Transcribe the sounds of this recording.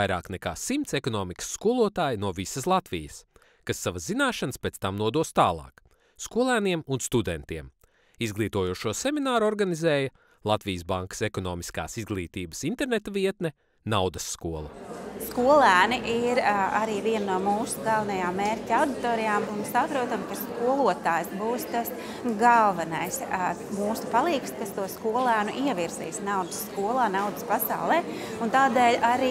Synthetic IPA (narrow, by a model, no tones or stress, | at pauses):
ajɾa̰ːknɛka̰ːsimt̪sɛkɔnɔːmikə̥sːkuɔlˠuɔt̪aːjnuɔvisɐslˠat̪ʋijəs | kasːaʋɐzzinaːʃanspeːt̪st̪amnuɔd̪uɔst̪aːlˠɑ̰ːk | skuɔlˠæːniɛmunst̪ud̪ɛnt̪iɛm | izɡlˠiːt̪uɔjuːʃuɔseminaːɾuɔɾɡanizɛːjɐ | lˠat̪vijəsbaŋkɐ̥sekɔnɔːmiska̰ːsizɡlˠiːt̪iːbəsint̪ɛɾnet̪ɐviɛt̪nɛ | nawd̪ɐsːkuɔlˠṵskuɔlˠæːniʔiɾaɾiːviɛnnuɔmuːsuɡɑlˠvɐnɐjaːmːeːɾʲtʲawd̪it̪oːɾijaːmunsapɾuɔt̪amkaskuɔlˠuɔt̪aːjsbuːst̪as | ɡalˠvɐnajsmuːsu̥palˠiːkst̪kast̪uɔskuɔlˠæːnuʔiɛʋiɾsḭːsnawd̪əsːkuɔlˠɑːnawd̪əspasa̰wlˠɛː | unt̪aːd̪ɛːlʲaɾiː